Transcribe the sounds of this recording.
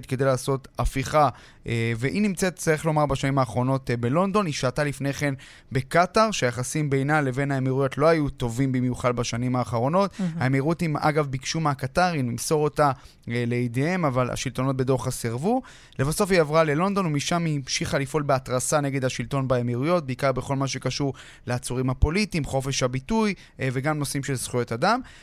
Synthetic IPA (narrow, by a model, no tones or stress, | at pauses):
t̪̚ked̪ejlaːso̞tafiχa | eveʔinimt͡set̪t͡saʁiχlo̞maʁbaʃanimaːχʁo̞no̞tbelo̞nd̪o̞niʃatalifne̞χe̞n | be̞kataʁʃeajaχasimbe̞jnale̞ve̞naemiʁujo̞tlo̞ajuto̞vimbimjuχadbaʃanimaːχaʁo̞no̞thaemiʁutima̰ɡavbikʃumeakataʁinimso̞ʁo̞ta | leid̪eemavala̰ʃilt̪o̞no̞t̚be̞do̞ʁχasiʁvu | le̞vaso̞fiavʁale̞lo̞nd̪o̞numiʃamimʃiχalifʔo̞lbeat̪ʁasane̞ɡe̞d̪haʃilto̞nbaemiʁujot̚beikaʁbe̞χo̞lmaʃ̬e̞kaʃuʁ | leat͡suʁimhapo̞litiːmχo̞fe̞ʃhabituj | ve̞ɡamno̞simʃelsχujo̞tadam